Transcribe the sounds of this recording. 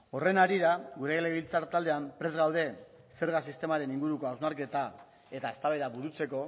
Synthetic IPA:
o̞re̞naɾiɾaɣuɾe̞eleβilt͡saɾt̪ald̪e̞ampɾe̞zɣawð̞e̞ | se̞ɾɣasist̪e̞maɾe̞niŋɡuɾuko̞awzmaɾke̞t̪a | e̞t̪ae̞st̪aβeðaβuɾut͡se̞ko̞

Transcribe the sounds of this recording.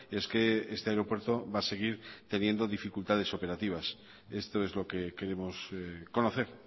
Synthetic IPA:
ie̞ske̞est̪e̞aeɾo̞pwe̞ɾt̪o̞βase̞ɣ̞iɾt̪e̞nje̞nd̪o̞ðifikult̪að̞e̞so̞pe̞ɾat̪iβ̞as | e̞st̪o̞e̞zlo̞ke̞ke̞ɾe̞mo̞sko̞no̞θe̞ɾ

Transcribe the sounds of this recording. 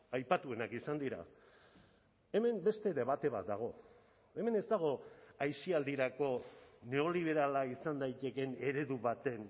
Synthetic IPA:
ajpat̪ue̞nakisand̪iɾa̰ | e̞me̞mbe̞st̪e̞ðe̞βat̪e̞βa̰t̪̚d̪aɣ̞o̞ | e̞me̞ne̞zt̪aɣ̞o̞ajʃiald̪iɾako̞ne̞o̞liβ̞e̞ɾalaisand̪ajt̪e̞ke̞ne̞ɾe̞ðuβat̪e̞n

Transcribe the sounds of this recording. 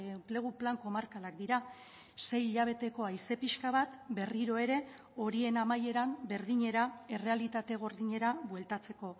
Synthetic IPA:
emple̞ɣ̞uplaŋko̞maɾkalakd̪iɾa | se̞jiʎaβ̞e̞t̪e̞ko̞ajse̞piʃkaβ̞at̪be̞riɾo̞e̞ɾe̞ | o̞ɾie̞namaje̞ɾambe̞ɾðiɲe̞ɾae̞re̞alit̪at̪e̞ɣ̞o̞ɾðiɲe̞ɾabwe̞lt̪at͡se̞ko̞

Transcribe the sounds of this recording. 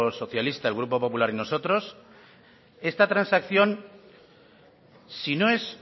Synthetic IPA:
so̞θjalist̪aelɣɾupo̞po̞pulaɾino̞so̞t̪ɾo̞s | e̞st̪at̪ɾansakθjo̞n | sino̞e̞s

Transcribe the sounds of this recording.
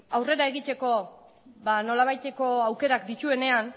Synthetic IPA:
awre̞ɾae̞ɣit̪e̞ko̞ | βano̞laβajt̪e̞ko̞awke̞ɾakd̪it̪ue̞ne̞an

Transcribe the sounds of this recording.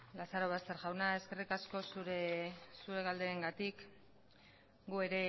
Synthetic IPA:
lasaɾo̞βast̪e̞ɾʝawnae̞ske̞rikasko̞suɾesuɾe̞ɣald̪e̞ːŋɡat̪ik | ɡue̞ɾe̞

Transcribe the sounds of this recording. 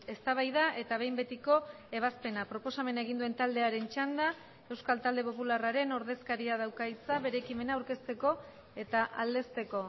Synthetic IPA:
e̞st̪aβ̞ajð̞aʔe̞t̪aβ̞e̞jmbe̞t̪iko̞ | e̞β̞aspe̞napɾo̞po̞same̞nae̞ɣ̞ind̪ue̞nt̪ald̪e̞aɾe̞nt͡ʃand̪a | e̞wskalt̪ald̪e̞popularaɾe̞no̞ɾð̞e̞skaɾiaðawkait͡saβe̞ɾe̞ːkime̞naːwɾke̞st̪e̞ko̞ | e̞t̪aʔald̪e̞st̪e̞ko̞

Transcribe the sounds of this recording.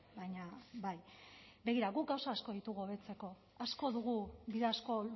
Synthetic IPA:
bajɲabaj | be̞ɣ̞iɾaɣuk̚ɡawsaːsko̞ðit̪uɣoβe̞t͡se̞ko̞ | asko̞ðuɣ̞ubiðeasko̞

